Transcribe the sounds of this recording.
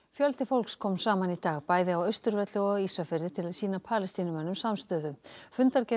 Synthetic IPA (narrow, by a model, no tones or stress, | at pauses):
fjœlt̪ɪfowlkskʰɔːmsaːmanit̪aːɣpaːjðɪawœɥst̪ʏɾvɛt̪lɪɔɣisafɛɾðɪt̪ʰɪlaðsiːnapʰaːlɛst̪iːnʏmɛnːʏmsamst̪œːðʏfʏnt̪aɾcɛ